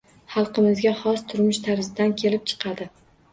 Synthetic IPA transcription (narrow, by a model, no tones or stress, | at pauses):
χɑlˠqɨmɪzɡʲahɒst̪ʰʊɾmɪʃt̪ʰaɾzɪd̪ankʲʰe̞lɪp̚t͡ʃʰɨ̥qʰɑd̪ɪ